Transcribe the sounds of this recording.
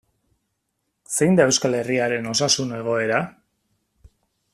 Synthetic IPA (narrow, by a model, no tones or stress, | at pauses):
se̞jnd̪ae̞wskale̞riaɾe̞no̞sasune̞ɣ̞o̞e̞ɾa